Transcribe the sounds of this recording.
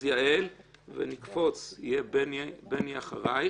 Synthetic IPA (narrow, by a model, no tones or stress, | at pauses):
jaʔelvḛnikfo̞t͡sijenbeniaχaʁaj